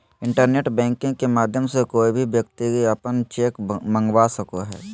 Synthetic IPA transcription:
ɪ̃ɳʈəɾneːʈbɛ̃ːŋkɪ̃kemaːd̪ʱjəmsekoːibʱiʋjəkt̪iɡiɐpənt͡ʃeːkmə̃ŋɡwasɐkoɦɛ̰ː

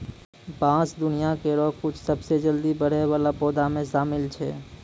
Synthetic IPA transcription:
pãːsd̪ʊnijakeɾɔːkʊt͡ʃʰsəbsed͡ʒəld̪ibəɽ̤eʋaːlapɔːd̪amẽʃaːmɪlt͡ʃʰɛ̰ː

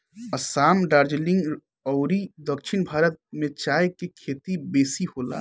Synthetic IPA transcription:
ɐsaːmɖaːɾd͡ʒlɪ̃ŋɡ | ɔʊɾid̪əkʃʰɪnbʱaːɾət̪̚mẽt͡ʃaːjkekʰeːt̪ibeːsihoːla̰

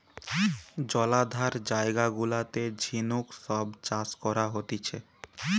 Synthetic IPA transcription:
d͡ʑɔlad̪ʱaɾd͡ʑaeɡaɡulat̪ed͡ʑʱinukʃɔbt͡ɕaskɔɾaɦot̪it͡ɕʰe

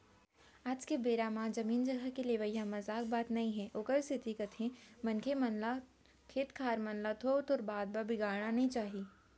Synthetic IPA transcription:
aːd͡ʒkebeːɾaːmãd͡ʒɐmiːnd͡ʒɐɡʱəkeleʋəjãmɐzaːk̚baːt̪nɐɦĩɦɛʔokəɾsɪt̪ikɐt̪ʰẽmɐnkʰemɐnla | kʰeːt̪kʰaːɾmɐnlat̪ʰoːɾt̪ʰoːɾbaːd̪̚babɪɡaːɾɽ̃anɐɦĩt͡ʃaːɦiː

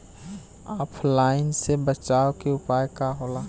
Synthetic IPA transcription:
aːpʰlaːɪnsebət͡ʃaːokeʊpaːjkaɦoːlaː

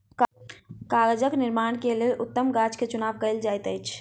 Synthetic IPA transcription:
kkaːɾəd͡ʒəknɪɾmaːɳ̃kelelʔʊt̪ːəmɡad͡ʒket͡ʃʊnaːʋkəɪld͡ʒaːjt̪əjt͡ʃʰ

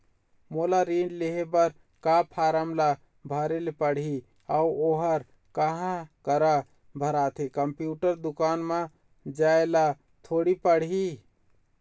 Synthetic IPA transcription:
molaɾiɳɖleɦebəɾ | kapʰaɾəmla | bʱəɾelpəɽ̤ɦi | auoɦəɾ | kəɦãkəɾa | bʱəɾat̪ʰekəmpjuʈəɾd̪ukaːnme | d͡ʒaela | t̪ʰoɽipəɽ̤ɦi

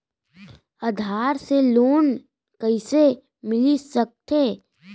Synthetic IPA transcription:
ɐd̪ʱaːɾseloːn | kɐɪse | mɪlisɐk̚t̪eː

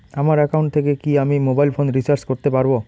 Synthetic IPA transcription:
amaɾɛkauɳʈ̚t̪ʰekekiamimobajlfʰonɾisaɾt͡ɕkoɾt̪epaɾbo

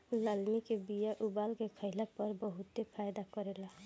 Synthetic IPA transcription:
ləlmikebijaʔubalkekʰəɪlapəɾbəɦut̪epʰajd̪akɔɾela

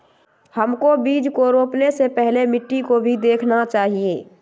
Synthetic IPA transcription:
həmkobiːd͡ʒkoɾoːpnesepɛɦlemɪʈːikobʱid̪eːkʰnat͡ʃaːɦieː

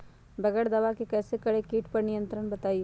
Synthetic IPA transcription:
bɐɡəɽd̪ɐʋakekɛːsekɐɽekiːʈpɐɾnijə̃nt̪ɾəɽbɐt̪aːi

